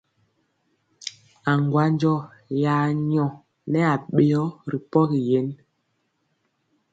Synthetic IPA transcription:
a˨ŋɡwa˦nd͡ʒɔ˦˨jaː˨˦ɲɔ˨ | nɛ˦a˨ɓe˨ɔ˦ɾi˨pɔ˦ɣi˨je˨˦n

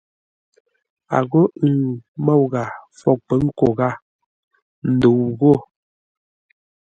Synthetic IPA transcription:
a̰˨ɣo˦˨mɔ˦˨wɣa˨fɔ˦˨k̚pə˨˦ŋ̩˦ko˨ɣa˦˨ | n̩˨do˨wɣo˦˨

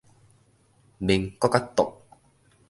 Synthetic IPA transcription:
ni˧ŋkɔ˦ka˦˥t̪ːʊ˨k̚

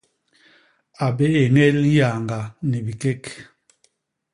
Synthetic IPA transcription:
a˨be˦e˨ŋɛ˦lja˨ŋɡa˨ni˨bi˨kɛ˦k

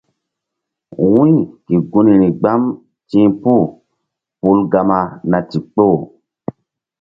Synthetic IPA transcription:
wũ˦i˦ki˨ɡu˦ni˨ni˨ɡ͡ba˦m | tĩ˦pu˦˨ | pu˦lɡa˧ma˧na˨ti˨k͡po˦˨

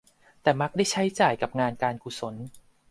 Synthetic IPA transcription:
t̪ɛː˨˩ma˦˥k̚da˥˩jt͡ɕʰa˦˥jt͡ɕaː˨˩jka˨˩p̚ŋaː˧nkaː˧nkʰu˨˩so˩˦n

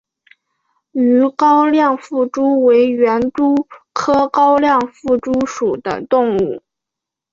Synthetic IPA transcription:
y˧˥kɑ˥ʊljɑ˥˧ŋfu˥˩ʈ͡ʂu˥we˧˥ɪɥɛ˧˥nt̪u˥kʰɤ˥kɑ˥ʊljɑ˥˧ŋfu˥˩ʈ͡ʂu˥ʂu˨˩d̪ə̰˦t̪ʊ˥˧ŋu˥˩

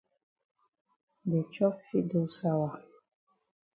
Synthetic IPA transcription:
dɛ˨t͡ʃɔ˦pfi˦do˨sa˦wa˨

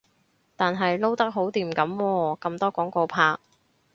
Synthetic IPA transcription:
t̪aː˨nɦɐ˨jlo˥wt̪ɐ˥k̚ɦo˨˥wt̪iː˨˩mkɐ˨˥mwɔː˧kɐ˧mt̪ɔː˥kɔː˨˥ŋkoː˧pʰaː˧k̚

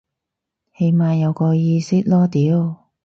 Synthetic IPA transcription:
he˧jmaː˧jɐ˨˧wkɔː˧jiː˧sɪ˥k̚lɔː˥t̪iː˨˥w

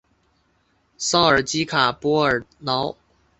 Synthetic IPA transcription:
sɑ˥ŋə˞˨˩t͡ɕi˥kʰa˨˩pwɔ˥ə˞˨˩nɑ˧˥ʊ

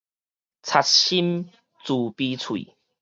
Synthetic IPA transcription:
t͡sʰa˧t̚ɕi˦m | t͡su˨˩pi˧t͡sʰwḭ˨˩˨

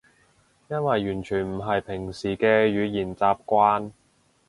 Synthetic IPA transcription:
jɐ˥nwɐ˨jːyː˨˩nt͡ʃʰyː˨˩nm̩˨˩ɦɐ˨jpʰɪ˨˩ŋsiː˨˩kɛː˧jyː˨˧jiː˨˩nt͡saː˧p̚kʷaː˥n

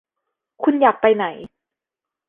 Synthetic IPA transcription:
kʰu˧njaː˨˩k̚pa˧jna˩˦j

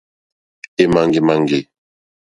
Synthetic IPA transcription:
e˦˨ma˨ŋɡe˨ma˨ŋɡe˨

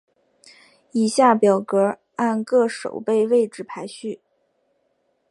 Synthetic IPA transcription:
i˨˩ɕja˥˩pjɑ˨˩ʊkɤ˧˥ | a˥˧nkɤ˥˩ʂo̰˨˩ʊpe˥˧ɪwe˥˧ɪʈ͡ʂɻ̩˥˩pʰa˧˥ɪɕy˥˩

